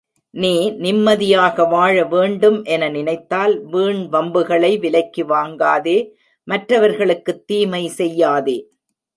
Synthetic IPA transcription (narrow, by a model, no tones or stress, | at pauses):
niːnɪmːɐðɪjaːɣɐʋaːɻɐʋeːɳɖɯmʔɛnɐnɪnɐɪt̪ːaːlʋiːɳʋɐmbɯɣɐɭɐɪʋɪlɐɪkːiʋaːŋɡaːðeː | mɐʈrɐʋɐɾɣɐɭɯkːɯt̪ːiːmɐɪsɛjːaːðeː